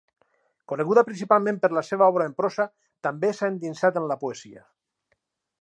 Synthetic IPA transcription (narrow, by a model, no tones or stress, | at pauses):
koneɣ̞uðapɾinsipalˠmẽmpeɾlaseβaɔβ̞ɾaempɾosa | t̪ambesaend̪insat̪enlapoezia̰